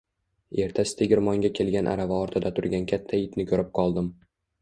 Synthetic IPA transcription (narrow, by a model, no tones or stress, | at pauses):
e̞ɾt̪ʰasɪ̥t̪ʰeɡʲɪɾmɒŋɡʲakʲʰe̞lˠɡʲanʔa̰ɾavaɒɾt̪ʰɪd̪at̪ʰʊɾɡʲankʲʰat̪ʰːaɪt̪nɪkʰɵɾɪp̚qʰɒlˠd̪ɪm